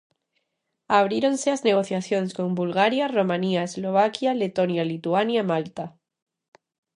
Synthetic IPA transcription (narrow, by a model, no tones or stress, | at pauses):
aβ̞ɾjeɾo̞nse̞azne̞ɣ̞o̞θjaθjo̞neskõ̞mbulɣaɾjaro̞mãniaezlo̞β̞akjale̞t̪o̞njalit̪uanjamalt̪a